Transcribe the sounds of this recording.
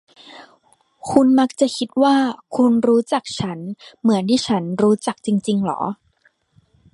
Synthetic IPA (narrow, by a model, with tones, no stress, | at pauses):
kʰu˧nma˦˥k̚t͡ɕa˨˩kʰi˦˥t̪̚waː˥˩kʰu˧nɾuː˦˥t͡ɕa˨˩k̚t͡ɕʰa˦˥nmɯ˩˦əntʰiː˥˩t͡ɕʰa˦˥nɾuː˦˥t͡ɕa˨˩k̚t͡ɕi˧ŋt͡ɕi˧ŋlɔ̰ː˩˦